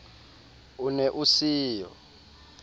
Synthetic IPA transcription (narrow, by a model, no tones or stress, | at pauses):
unɛʔusiːjɔ̰